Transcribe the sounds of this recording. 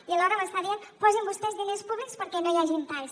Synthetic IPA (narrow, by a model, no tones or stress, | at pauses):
iəlɔɾəməst̪aðienpɔzimbust̪ɛzðinespuβlikspəɾkɛnojaʒint̪als